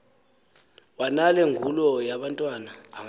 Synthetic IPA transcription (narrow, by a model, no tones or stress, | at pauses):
wanalɛŋʱulɔjaɓantʼwanaːŋ